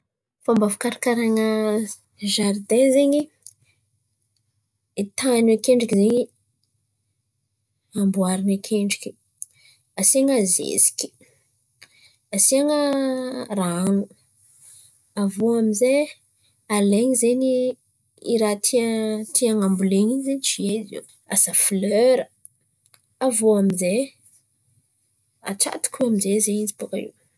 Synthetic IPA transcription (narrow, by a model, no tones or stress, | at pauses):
fambavukaɾakaɾaŋə | ʒard̪ẽnzeɲi | t̪anekeɳɖ͡ʐikizeɲi | ambuaɾinakʰeɳɖ͡ʐikʲi̥ | asiaŋazḛzi̥kʲi̥ | asiaŋə | ranu | avoamize | aleɲizeɲi | iɾat̪ʰit̪ʰiaŋambuleɲinzenit͡ʃiezḭw | a̰safløɾə | avoamize | a̰ʈ͡ʂa̰t̪i̥kʲuamizezeid͡zi̥pukaḭw